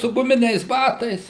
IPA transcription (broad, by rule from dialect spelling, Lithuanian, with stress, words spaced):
sʊ ɡʊˈmʲɪnʲɛɪs ˈbɑːtɐɪs